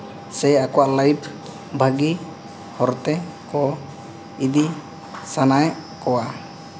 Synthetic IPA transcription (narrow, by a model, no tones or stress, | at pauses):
sɛakɔwaʔlajpʰ | bʱaɡi | hɔɾt̪ɛkɔ | id̪i | sanajkɔwa